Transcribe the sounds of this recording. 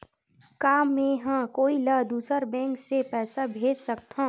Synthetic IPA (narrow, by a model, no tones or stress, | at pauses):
kaːmẽɦãkoːiləd̪uːsəɾbɛ̃ːŋksepɛːsabʱeːd͡ʒsəkt̪ʰã